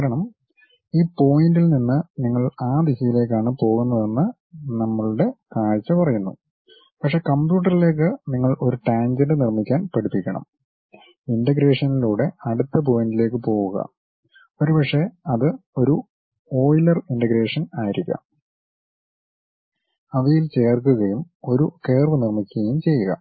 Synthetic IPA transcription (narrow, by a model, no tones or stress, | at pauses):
kaːɾɐɳɐm | iːpo̞ːjindilninːɨniŋːɐɭaːd̪isijile̞ːk̬ːaːɳɨpo̞ːɣunːɐðe̞nːɨ | nɐmːɐɭuɽe̞kaːɻt͡ɕːɐpɐrɐjunːṵ | pɐkʂe̞kɐmbjuːʈːɐrile̞ːk̬ːɨniŋːɐɭo̞ɾuʈaːɲd͡ʑenɖɨnirmikʲːaːnpɐɽipːikʲːɐɳɐ̰m | indɐɡɾe̞ːʂɐniluːɽe̞ɐɽut̪ːɐp̬oːjndile̞ːk̬ːɨpo̞ːɣuɣɐ̰ | o̞ɾupɐkʂe̞ɐðɨo̞ɾu | o̞ːjlɐrinɖɐɡɾe̞ːʂɐnaːjiɾikʲːɐ̰ | ɐʋɐjilt͡ɕe̞ːrkːuɣɐjum | o̞ɾuke̞ːrʋɐnirmikʲːuɣɐjumt͡ɕe̞jːuɣɐ̰